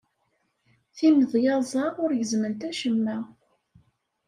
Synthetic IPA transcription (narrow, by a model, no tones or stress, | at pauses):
θiməðjɑzˤɑʁʊɾjəzmənt̪æʃəmːæ